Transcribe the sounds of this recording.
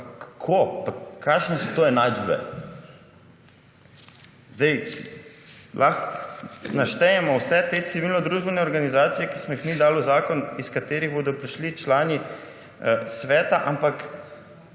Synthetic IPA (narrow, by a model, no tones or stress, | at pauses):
kakʰopakʰːaːʃnɛsɔt̪oːɛnad͡ʒbɛ̰ | zd̪ɛj | lʔax | naʃt̪ɛjɛmɔwsɛt̪et̪siʋilnɔd̪ɾuːʒbɛnɛɔɾɡanizaːt̪sijɛkismɔjixmid̪aːlɔzaːkɔniskat̪eːɾiɣboːd̪ɔpɾiʃlit͡ʃlaːni | sʋɛːt̪aʔampak